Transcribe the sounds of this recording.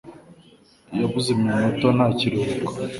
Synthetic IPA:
jaβuzemimotonaciɾihukḁ

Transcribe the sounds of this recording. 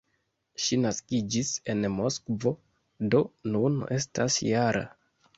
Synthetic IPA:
ʃinaskid͡ʒise̞nmo̞skvo̞ | do̞nune̞stasjaɾa̰

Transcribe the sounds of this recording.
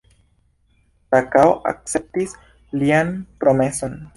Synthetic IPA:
takawʔa̰k̚t͡se̞p̚tis | lianpɾo̞me̞so̞n

